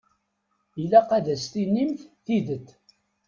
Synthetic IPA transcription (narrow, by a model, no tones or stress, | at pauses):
ilːæqæðæst̪inːimθθiðət̪ː